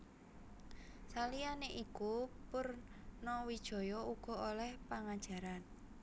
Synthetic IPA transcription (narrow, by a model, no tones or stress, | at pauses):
salijaneʔikupʊrnɔwid̥ʒ̥ɔ̤jɔuɡ̥ɔ̤olɛhpaŋad̥ʒ̥a̤ɾan